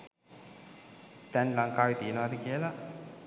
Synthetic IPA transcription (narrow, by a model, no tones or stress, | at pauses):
t̪ɛnlaŋkaːʋit̪ijənəʋad̪əkiəla